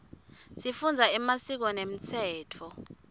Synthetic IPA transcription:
sifund͡zʱaɛmasik̬ɔnem̩t͡sʰɛːtʰɔ

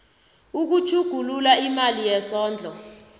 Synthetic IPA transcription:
uk̬ut͡ʃʰuɡ̥ʱululaimalijɛsɔːnd͡ɮʱɔ

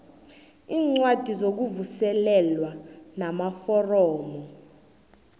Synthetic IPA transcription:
iːŋ͡ǀwad̥ʱizok̬uvusɛlɛlwanamafɔrɔːmɔ

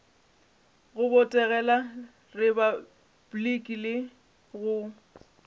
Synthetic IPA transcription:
ɣʊbɔtʼɛɣɛla | rɪba | b̥likʼilɪ | ɣʊ

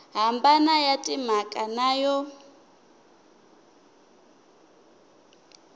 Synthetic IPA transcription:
ɦambanajatʼim̤akʼanaːjɔ

